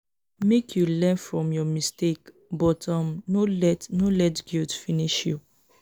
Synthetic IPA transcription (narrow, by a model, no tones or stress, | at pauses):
mekʰjulɛ̃nfɹɔ̃mjɔmistek | bɔtɔ̃mnolɛtnolɛtɡildfiniʃjṵ